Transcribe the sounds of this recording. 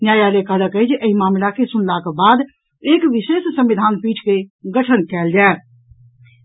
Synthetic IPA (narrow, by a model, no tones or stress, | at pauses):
njaːjaɾekələkəid͡ʒʔəɦimaːmlakesʊnlakebaːd̪ | eːkʋɪʃeːssə̃mʋɪd̪ʱaːnpiːʈʰkeɡəʈʰənkɛːld͡ʒaː